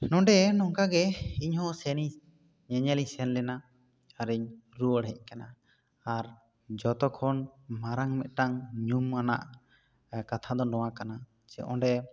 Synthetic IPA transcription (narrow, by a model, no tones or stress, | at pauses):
nɔ̃ɖɛnɔŋkaɡɛiɲhɔ̃sɛni | ɲɛɲɛlisɛnlɛna | aɾiɲɾuəɽɦɛc̚ˀkana | aɾ | d͡ʒɔt̪ɔkʰɔnmaɾaŋmɛt̪̚ʈaŋɲumːana̰ʔ | kat̪ʰad̪ɔnɔwakana | t͡ʃɛ̰ʔɔ̃ɳɖɛ